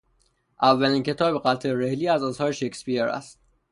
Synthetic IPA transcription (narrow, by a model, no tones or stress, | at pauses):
ʔævːælincʰe̞t̪ʰɒːbeɣæt̪ʰeɾe̞hliːæzɒːshɒːɾeʃekspieɾæ̰st̪̚